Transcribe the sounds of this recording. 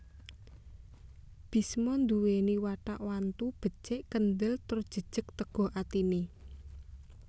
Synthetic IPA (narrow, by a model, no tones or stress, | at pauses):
b̥i̤smɔnd̪uweniwaʈa̰ʔwant̪ub̥ə̤̥t͡ʃeʔkənd̪əlt̪ʊrd̥ʒ̥ə̤d̥ʒ̥ə̤k̚t̪əɡ̥ɔ̤at̪ine